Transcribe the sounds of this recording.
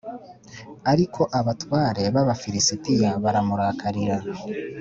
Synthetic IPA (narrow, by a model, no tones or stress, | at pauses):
aɾikʰo̞ʔaβatwaːɾe̞βaβafiɾisitijaβaɾamuɾaːkʰaɾiɾa